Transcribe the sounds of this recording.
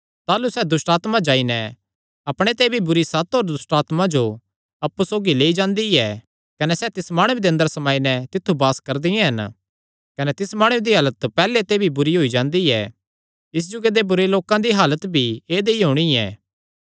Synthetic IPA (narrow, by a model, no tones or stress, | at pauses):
t̪aːlusɛd̪ʊsʈaːt̪mãd͡ʒaːinɛ̃ | ɐpɽ̃et̪eːbʱibʊɾisɐt̪ɦoɾd̪ʊsʈaːt̪mãd͡ʒo | ɐpːusoːɡileːid͡ʒãːnd̪iɛ | kɐnɛsɛt̪ɪsmaːɽ̃ʊed̪eɐ̃nd̪əɾsɐmaːinɛt̪ɪt̪ʰːubaːskɐɾd̪ɪjẽɦɐn | kɐnɛt̪ɪsmaːɽ̃ʊed̪iɦaːlət̪pɛːlet̪ebʱibʊɾiɦoːid͡ʒãːnd̪iɛ | ɪs̬d͡ʒʊɡed̪ebʊɾeloːkãd̪iɦaːlət̪bʱieːd̪eiɦoːɽ̃iɛ̰ː